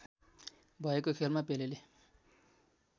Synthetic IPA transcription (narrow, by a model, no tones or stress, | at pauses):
bʱʌekokʰelmapelele